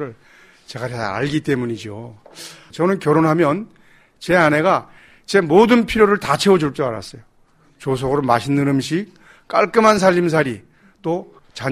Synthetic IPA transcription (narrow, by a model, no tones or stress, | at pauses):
ɾɯɭ | t͡ɕe̞ɡaɾea̰ɭɡit͈e̞muɲid͡ʑo | t͡ɕʌnɯnkjʌɾonɦamjʌn | t͡ɕe̞ane̞ɡa | t͡ɕe̞modɯnpʰiɾjoɾɯɭtat͡ɕʰeod͡ʑuɭt͡ɕ͈ʌaɾa̰s͈ʌjo | t͡ɕos̬ʰʌɡɯɾomaɕʰinːɯɾɯmɕʰik̚ | k͈aɭk͈ɯmɦans̬ʰaʎːims̬ʰaɾi | t͈o | t͡ɕa